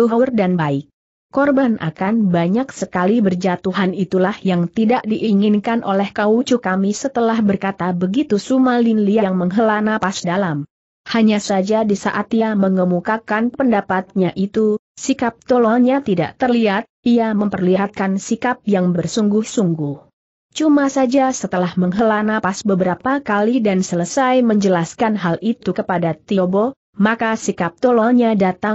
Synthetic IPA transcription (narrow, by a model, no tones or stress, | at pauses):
uurdanbaɪk̚ | kɔrbanʔa̰kanbaɲak̚səkalibərd͡ʒat̪uɦanit̪ulahjaŋt̪idaʔdiʔiŋɪnkanʔolɛhkaut͡ʃukamisət̪əlahbərkat̪abəɡit̪usumalinliaŋməŋɦəlanapasdalam | haɲasad͡ʒadisaʔat̪iaməŋəmukakanpəndapat̪̚ɲaʔit̪u | sikap̚t̪olalɲat̪ida̰ʔt̪ərliɦat̪̚iaməmpərliɦat̪̚kansikap̚jaŋbərsuŋɡʊhsuŋɡʊh | t͡ʃumasad͡ʒasət̪əlahməŋɦəlanapasbəbəɾapakalidansələsajməɲd͡ʒəlaskanɦalʔit̪ukəpadat̪iobo | makasikap̚t̪olalɲadat̪aŋ